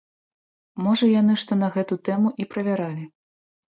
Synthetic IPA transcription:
mɔʐɐjanɨʂt̪ɔn̪ɐɣɛt̪ut̪ɛmuʔipɾɐvʲaɾalʲi

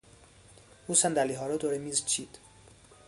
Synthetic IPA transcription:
uːsænd̪æliɦɒːɾɔd̪oɾemiːzt͡ʃʰiːd̪̥

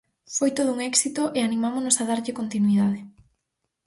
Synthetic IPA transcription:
fojt̪oð̞ʊuŋɛksit̪oʔeanimamonosaðaɾʎɪkont̪inuiðað̞ɪ

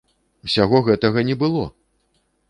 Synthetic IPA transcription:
usʲaɣɔɣɛt̪ɐɣɐnʲɛbɨlˠɔ̰

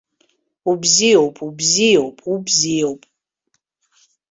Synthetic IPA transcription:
ubzijowpʼubziowpʼubziowpʼ

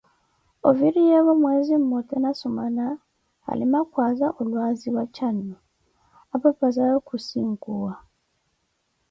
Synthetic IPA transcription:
o̰viɾijeβomweːzimːotenasomana̰ː | limakwaːzaʔolwaːziwacanːo | apapazajokusiːŋkuwa

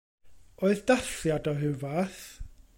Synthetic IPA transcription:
oɨðdaθjadɔɦɪvaθ

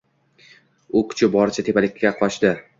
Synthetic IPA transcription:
ʊkʰʊ̥t͡ʃʰɪbɒɾɪt͡ʃʰat̪ʰe̞palɪkʲʰːaqʰɒʃd̪ɪ

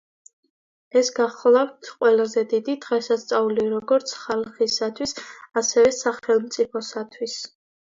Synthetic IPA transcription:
ɛsɡaχlˠaft̪ʰqʼwɛlazɛd̪id̪id̪ʁɛsast̪sʼauliɾɔɡɔɾt̪sʰχalˠχisat̪ʰwisasɛvɛsaχɛlˠmt̪sʼipʰɔsat̪ʰwis

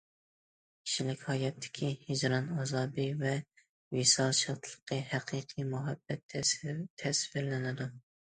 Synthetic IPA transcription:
kʲʰi̥ʃilɪkʲhɑjɛt̪ʰːɪ̥kʲʰihɪd͡ʒɾɑnɑzɑbijvɛ | wisɑlˠʃɑt̪ʰlˠə̥qʰːəhæqʰiqʰijmuɦæbːɛt̪ʰt̪ʰæsfɪɾlɪnɪd̪u

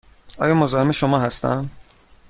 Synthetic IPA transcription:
ʔɒ̰ːjɒːmozɒːhemeʃomɒːɦæst̪æ̰n

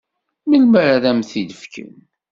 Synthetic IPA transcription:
məlməɾðæmθiləfkʰə̰n

